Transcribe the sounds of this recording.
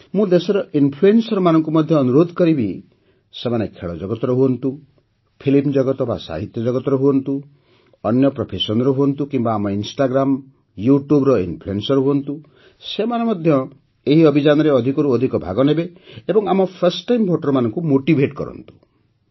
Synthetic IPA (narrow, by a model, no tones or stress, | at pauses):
mũd̪esɔɾɔinpʰluensɔɾɔmanɔŋkumɔd̪ʱjɔːnuɾod̪ʱkɔɾibi | semanekʰeɭɔd͡ʒɔɡɔt̪ɔɾɔɦuɔnt̪u | pʰilipd͡ʒɔɡɔt̪ɔba̰sa̰ɦit̪jɔd͡ʒɔɡɔt̪ɔɾɔɦuɔnt̪u | ɔnjɔpɾɔpʰesɔnɔɾɔɦuɔnt̪ukimbaːmɔinsʈaɡɾam | juʈjubɾɔḭnpʰluensɔɾɔɦuɔnt̪u | semanemɔd̪ʱjɔ | eɦiɔbʱid͡ʒanɔɾeɔd̪ʱikɔɾuɔd̪ʱikɔbʱa̰ɡɔnebeebɔŋamɔpʰʌɾsʈʈajmbʱoʈɔɾɔmanɔŋkumoʈibʱeʈkɔ̰ɾɔ̰nt̪u̥